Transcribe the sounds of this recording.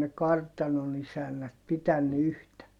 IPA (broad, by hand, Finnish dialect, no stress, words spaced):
ne kɑrtɑnon isænːæt pitænːy yhtæ